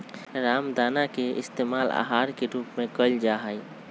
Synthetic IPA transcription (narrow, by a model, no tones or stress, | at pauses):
ɾaːmd̪aːnakeɪ̰st̪eːmaːla̰ɦaːɾkeɾuːpmẽkəld͡ʒaɦəj